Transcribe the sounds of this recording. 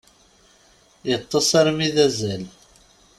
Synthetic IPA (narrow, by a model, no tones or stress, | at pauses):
jət̪ˤːəsˤaɾmiðæzæl